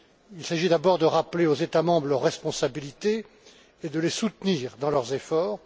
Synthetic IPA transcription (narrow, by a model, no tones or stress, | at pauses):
ilsaʒid̪abɔʁd̪əʁapleozet̪amɑ̃bʁəlœʁːɛspɔ̃sabilit̪eː | d̪əlesut̪niːʁd̪ɑ̃lœʁzefɔːʁ